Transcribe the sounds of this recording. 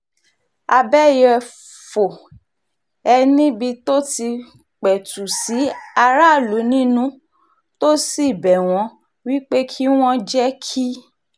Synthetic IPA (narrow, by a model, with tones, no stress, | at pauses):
a˧bɛ˦jɛ˧ | fo˨ | ɛ˧nĩ˦bi˧to˦ti˧ | k͡pɛ˨tu˨si˨˦a˧ɾa˦˨lu˨˦nĩ˦nũ˦ | to˦si˦˨bɛ˨w̃ɔ̃˨˦ | wi˦k͡pe˦kʰi˦w̃ɔ̃˦d͡ʒɛ˦kʰi˦